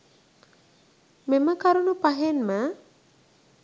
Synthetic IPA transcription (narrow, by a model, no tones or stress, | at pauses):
meməkaɾunupaɦenma